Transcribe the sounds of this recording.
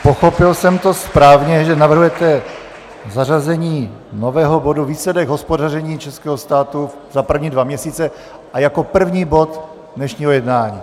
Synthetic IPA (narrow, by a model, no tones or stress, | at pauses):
poxo̞pɪlsɛmt̪o̞spɾaːvɲɛʒɛnavr̩ɦujɛt̪ɛ | zarazɛɲiː | novɛːɦoboduviːslɛdɛɡɦospodarɛɲiːt͡ʃɛskɛːɦost̪aːt̪u | zapr̩vɲiːdvamɲɛsiːt͡sɛ | ʔajako̞pr̩vɲiːbo̞t̪ | dnɛʃɲiːɦojɛdnaːɲiː